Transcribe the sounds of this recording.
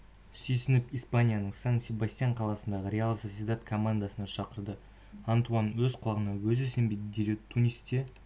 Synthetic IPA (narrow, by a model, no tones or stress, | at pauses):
sijsɪnɪpijspanʲijanəɴsansʲebast̪ijanɴqʰɑlˠɑsənd̪ɑʁəɾʲealˠsoed̪at̪kʰomand̪asənɑʃɑqəɾd̪ə | ant̪uanwɵzqʰʊlˠɑʁənɑwɵzɪse̞mbejd̪ɪd̪eɾʲet̪ʰːunʲijst̪e